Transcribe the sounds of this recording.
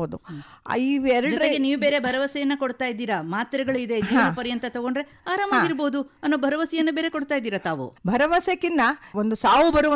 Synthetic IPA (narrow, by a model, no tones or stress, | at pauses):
od̪u | iʋɛɾɐd͡ʒɔɾeɡeniːʋube̞ːɾebʱɐɾɐʋɐsɛjɐnːɐkoɽt̪aːjid̪ːiːɾɐmaːt̪ɾɛɡɐɭuid̪e̞d͡ʒiːʋɐɾɐpɐɾijɐnt̪ɐt̪ɐɡo̞ɳɖɾe̞ | aːɾaːmaːɡiɾboːd̪uɐnːo̞ːbʱɐɾɐʋɐsijɐnːɐbeːɾe̞ko̞ɽt̪aːjid̪ːiːɾɐt̪aːʋṵbʱɐɾɐʋɐsekinːɐond̪usaːʋubɐɾuʋɐ